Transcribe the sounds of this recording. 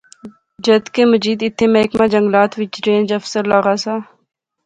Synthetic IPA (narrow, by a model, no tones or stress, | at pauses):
d͡ʒəd̪keːməziːd̪ɪt̪ʰːeːmɛːkmãːd͡ʒəŋɡlaːt̪ʋɪt͡ʃɾẽːnd͡ʒəfsəɾlaːɣaːsaː